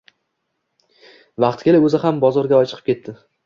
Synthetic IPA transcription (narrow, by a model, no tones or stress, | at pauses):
vɑqt̪kʲe̞laɵzɪhambɒzɒɾɡʲaɒt͡ʃʰɨ̥qʰɨ̥pkʲe̞t̪ʰːɪ